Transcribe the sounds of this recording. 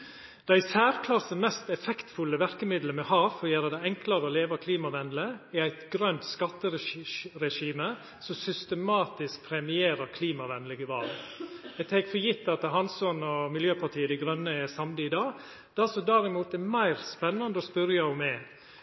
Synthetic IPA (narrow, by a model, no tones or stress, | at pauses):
d̪̥æɪsæːɾkʰlɑsəmɛst̪ɛfɛkt̪fʉlːəʋæɾkəmɪd̪lənmɛhɑːʋfɔjæːɾəd̪æɪɛŋklɑɾəɔleːʋɑkʰliːmɑʋɛnd̪l̩əɛæɪt̪ɡɾœnt̪skɑt̪ːəɾɾɛʂiːmə | sɔsʏst̪əmɑːt̪ɪsk̚pʰɾɛmɪeːɾəɾkʰliːmɑʋɛnləɡəʋɑlɛt̪ʰɛɡfɔɾjɪt̪ːɑt̪ɦɑnsɔnɔmɪljøːpʰɑʈʰiːəd̪æɪɡɾœnːəɛsɑmd̪ɪɪd̪ɑː | d̪̥æsɔd̪æɾɪmuːt̪ɛmæɪɾspɛnːɑnd̪əɔspœɾjɑɔmɛ